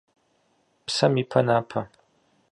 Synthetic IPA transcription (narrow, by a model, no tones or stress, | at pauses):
psɐmiːpʰɐnaːpʰɐ